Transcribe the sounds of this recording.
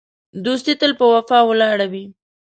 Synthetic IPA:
d̪us̬t̪it̪əlpəwafɑwəlɑɽawi

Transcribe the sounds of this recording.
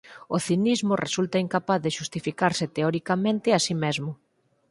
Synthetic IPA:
oθinizmʊresult̪aiŋkapaθðɪʃust̪ifikaɾsɪt̪eɔɾikamẽnt̪ɪasimezmʊ

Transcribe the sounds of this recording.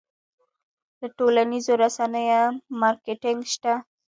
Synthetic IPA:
d̪əʈolanizoɾasanəjomɑɾkɪʈɪŋɡʃt̪a

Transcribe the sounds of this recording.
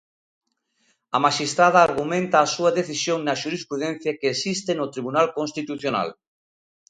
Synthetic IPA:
ɐmaʃist̪ɾað̞ɐːɾɣumẽnt̪ɐːsuɐðeθisjoŋnɐʃuɾispɾuðɛn̟θjakeːsist̪enʊt̪ɾiβunalkõnst̪it̪uθjona̰l

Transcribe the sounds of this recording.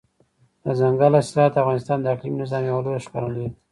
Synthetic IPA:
əzaŋɡalaslɑat̪afɣɑnɪst̪ɑnd̪əaklimnɪzɑmjawalojaʃka̰ɾəld̪e

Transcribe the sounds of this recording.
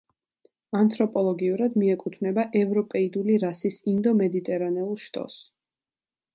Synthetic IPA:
ant̪ʰɾɔpʼɔlˠɔɡiuɾad̪miɛkʼut̪ʰvnɛbaʔɛvɾɔpʼɛid̪uliɾasisind̪ɔmɛd̪it̪ʼɛɾanɛulˠʃt̪ʼɔ̰s

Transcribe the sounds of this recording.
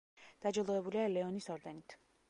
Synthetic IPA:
d̪̥ad͡ʒɔlˠɔɛbulialɛɔnisɔɾd̪ɛnit̪ʰ

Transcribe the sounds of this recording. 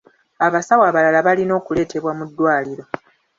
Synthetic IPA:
aβasawaːβalalaβalino̞ːkule̞ːte̞βwamudːwaːliɾo̞

